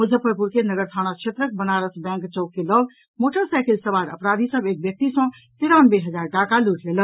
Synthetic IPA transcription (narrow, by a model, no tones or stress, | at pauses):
mud͡ʒʱəpəpuɾkenəɡəɾt̪ʰañakʃʰet̪ɾək̚bənaɾəsbɛ̃ŋkt͡ʃəʊkːeləb | moʈʰəɾsajkelsəbaɾə̰pɾad̪ʱisəbek̚bjək̚t̪isə̃ | t̪iɾanbeɦəd͡ʒaɾʈakaluʈʰlelən